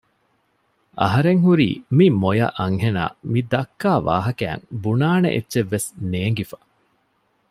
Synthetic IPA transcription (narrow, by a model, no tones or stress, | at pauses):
ʔɐ̰ɦɐɾeŋɦuɾḭːmimojɐ̰ʔɐŋhena̰ːmid̪ɐkːaːʋa̰ːɦɐkæ̰ːŋbunaːnḛʔḛtːʃeʋːesneːŋɡifɐ̥